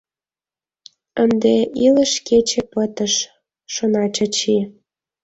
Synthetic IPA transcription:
ənd̪eʔiləʃket͡ɕepət̪əʃ | ʃonɑt͡ɕɤt͡ɕi

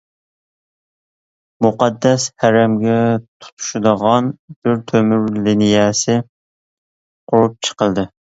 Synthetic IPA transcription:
muqɑd̪ːɛshæɾɛmɡʲɛt̪ʰu̥t̪ʰu̥ʃud̪əʁɑnb̥ɪɾt̪ʰømyɾlinijɛsɪ | qʰʊɾup̚t͡ʃʰə̥qəlˠd̪ɨ

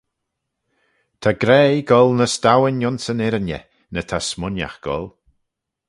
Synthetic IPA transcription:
t̪ʰaɡɾɛːɡɔlˠnəstawɪnjɔnsənɛɾənjə̰ | nətʰasmʊnja̰xɡ̥ɔ̰lˠ

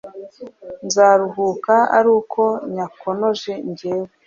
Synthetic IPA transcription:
nzaːɾuɦukaa̰ɾuːkʰo̞ɲakono̞ʒe̞ɲɟeːwe

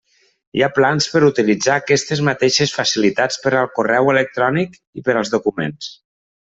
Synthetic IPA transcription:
ḭaplanspəɾut̪ilid͡zaːkɛst̪ezmat̪eʃəsfasilit̪at͡spəɾəlˠkurɛwələk̚t̪ɾɔnik | ipəɾəlˠzðukumḛns

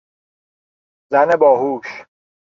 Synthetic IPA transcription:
zænebɒːɦuːʃ

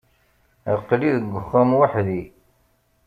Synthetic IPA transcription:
əqːliðəɡʷːəχːæmwaħði

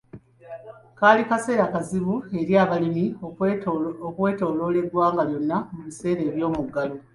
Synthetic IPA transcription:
kaːlikase̞ːɾakaziβue̞ɾjaːβalimi | okwe̞ːto̞ːlo̞le̞ɡwaːŋɡaljo̞nːamuβise̞ːɾe̞ːβjo̞ːmuɡːalo

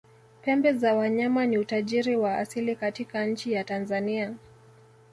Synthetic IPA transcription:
pɛmbɛzawaɲamaniutaʄiɾiwaa̰silikatikaɲ̩t͡ʃijatanzania

